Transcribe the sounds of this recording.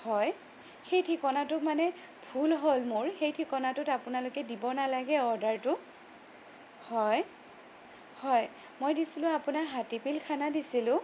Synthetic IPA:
hɔj | xejtʰikɔnatʊmanɛ | bʱulɦolmʊɹxejtʰikɔnatʊtapʊnalokɛdibɔnalaɡɛɔɹdaɹtʊ | hɔj | hɔj | mojdisilʊ̃apʊnaɦatipilkʰanadisilʊ̃

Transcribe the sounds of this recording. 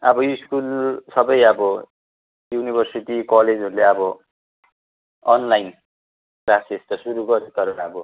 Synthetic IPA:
ʌbʌjiskulsʌbʌjʌbʌ | junibʱʌrsiʈikʌled͡zɦʌɾuleʌbʌ | ʌnlajn | prasest̪ʌsuɾuɡʌɾit̪ʌɾonʌbʌ

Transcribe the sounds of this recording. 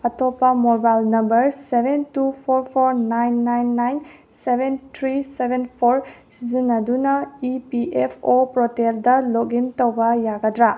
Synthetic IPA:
ɐtopːɐmoɾbajlnɐmbɐɾsebʱentupʰoɾpʰoɾnajnːajnːajn | sebʱentʰɾisebʱenpʰoɾsizinɐdunɐipiepʰopɾɔteldɐloɡintowbɐjaɡɐdɾa

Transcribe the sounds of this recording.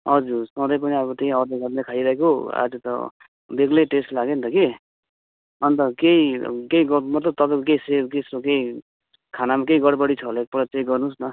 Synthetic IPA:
ʌd͡zusʌ̃d̪ʌjp̬ʌniabʌt̪eĩʌɾd̪ʌɡʌɾnekʰaiɾʌɦekoa̰d͡zut̪ʌ̰ | beɡleʈesʈlaɡent̪ʌke | ʌnt̪ʌkeikeiɡʌmʌt̪lʌb̚t̪ʌbʌk̬eisebkeisokei | kʰanamakeiɡʌɽbʌɽit͡sʰʌɦlek̚pʌɽʌt͡sʌĩɡʌɾnusnʌ

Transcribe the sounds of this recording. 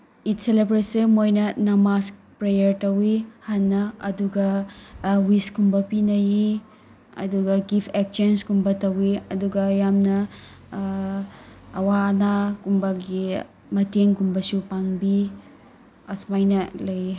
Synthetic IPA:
itselebɾesimojnɐnɐmas | pɾejɐɾtɐwihanːɐɐduɡɐ | wiskumbɐpinɐji | ɐ̰duɡɐɡipʰek̚sɐnskumbɐtɐwiɐduɡɐjamnɐ | ɐwaːnakumbɐɡi | mɐteŋkumbɐsupaŋbi | ɐsmajnɐlɐj

